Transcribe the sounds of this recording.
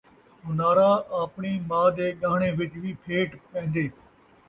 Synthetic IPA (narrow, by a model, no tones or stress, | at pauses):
ʊnaːɾaːʔaːpɳiːmaːd̪eːɠaːɳ̃eːʋɪt͡ʃʋiːpʰeːʈpẽːnd̪eː